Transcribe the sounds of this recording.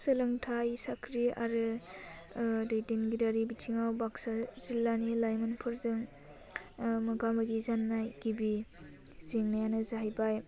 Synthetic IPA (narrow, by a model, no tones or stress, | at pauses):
sɯlɯŋtʰajsakʰɾia̰ɾɯ | dɯjdinɡidaɾibitʰiŋawbaksazilːanilajmɯnpʰɯɾzɯŋ | mɐɡamaɡizanːajɡ̥ibi | zeŋnajanɯzaɦajbaj